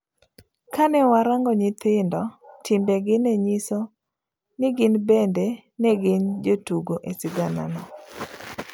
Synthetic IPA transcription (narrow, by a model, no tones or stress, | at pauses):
kanɛwaɾaŋɡɔɲɪt̪ɪndɔtʰɪmbɛɡɪnɛɲisɔ | nɪɡɪnbɛndɛ | nɛɡɪnd͡ʒotuɡoʔesɪɡana̰nɔ